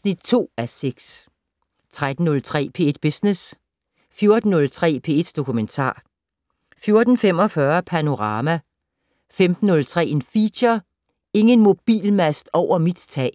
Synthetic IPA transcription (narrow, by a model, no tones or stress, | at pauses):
snid̥̚t͡sʰo̝̰ːæseɡ̥s | t͡sʰʁad̥n̩ːɔ̽lt͡sʰʁɛ̰ːpʰe̝e̝d̥̚b̥esnes | fjo̝ɐd̥n̩ːɔ̽lt͡sʰʁɛ̰ːpʰe̝ːe̝d̥d̥o̝kument͡sʰɑ̰̈ː | fjo̝ɐd̥n̩fem̰ɒ̽fɶɐpʰæno̝ʁɑ̈ːmæ | femd̥n̩ːɔ̽lt͡sʰʁɛ̰ːe̝nfiːɕɐ | e̝ŋənmo̝b̥ḭːlmæsd̥ɒʊ̰ɐmid̥t͡sʰɛ̰ː